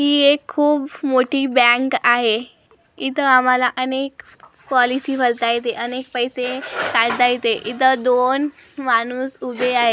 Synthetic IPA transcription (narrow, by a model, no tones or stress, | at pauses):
ɦiːekʰːuːbmoʈiːbɛ̃kaɦe | it̪əam̤alaʔənek | pɔlisiːfəɾt̪ajt̪eʔənek̚pəjsekaɾd̪ajt̪eʔit̪əd̪on | mañuːsubʱeaɦe